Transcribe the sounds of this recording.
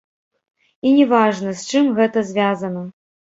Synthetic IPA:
inʲɛvaʐnɐsʲt͡ʂɨmɣɛt̪ɐzʲvʲazɐnɐ

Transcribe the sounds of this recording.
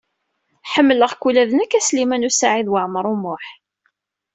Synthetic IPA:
ħəmːləʁkːulæðənəkːæslimænusaʕiðwəʕməɾˤumʊħ

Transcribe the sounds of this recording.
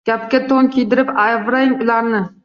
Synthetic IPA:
ɡ̥ʲap̚kʲat̪ʰoŋkʲʰijd̪ɪɾɪpavɾaɪmʊlaɾnɪ

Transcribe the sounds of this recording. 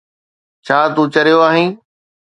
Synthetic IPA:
t͡ɕʰaːt̪ũːt͡ɕɐɾijoaːɦĩː

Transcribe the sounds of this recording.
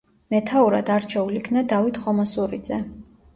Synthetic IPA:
mɛt̪ʰauɾad̪aɾt͡ʃʰɛulikʰnad̪avit̪ʰχɔmasuɾid̪z̥ɛ

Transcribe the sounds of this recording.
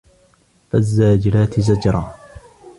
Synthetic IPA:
fazːaːd͡ʒɪɾaːt̪ɪzad͡ʒɾˤɑː

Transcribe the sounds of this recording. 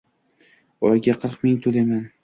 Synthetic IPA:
ɒjɡʲaqʰɨɾqmɪŋt̪ʰolaman

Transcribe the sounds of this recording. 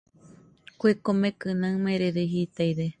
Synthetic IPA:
kʷekomẽkɨnãmẽɾeɾeɦit̪ajɾe

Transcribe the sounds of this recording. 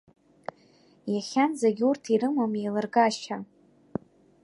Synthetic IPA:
jaχʲanzaɡʲurtʰiɾɨmomejlɨrɡaʃt͡ʃʰa

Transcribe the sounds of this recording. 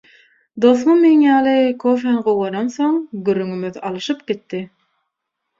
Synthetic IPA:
d̪oθmumenjɑːlˠɯkʰofenɢowʁoɾonθoŋɡyɾːyŋymyðɑlˠɯʃɯpɡ̥it̪ːi

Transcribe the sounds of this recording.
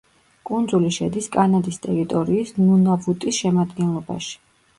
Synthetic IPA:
kʼund̪zuliʃɛd̪iskʼanad̪ist̪ʼɛɾit̪ʼɔɾiːsnunabut̪ʼisʃɛmad̪ɡɛnlˠɔba̰ʃi̥

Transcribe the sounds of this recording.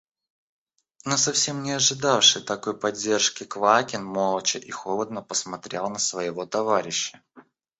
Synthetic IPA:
nosɐfsʲe̞mnʲɪɐʐɨd̪afʂɨjt̪ɐko̞jpɐdʲːe̞rʂkʲɪkvakʲɪnmolˠət͡ɕɪʔixolˠəd̪̚nəpəsmɐt̪ɾʲelˠnəsvəjɪvo̞t̪ɐvaɾʲɪɕːə

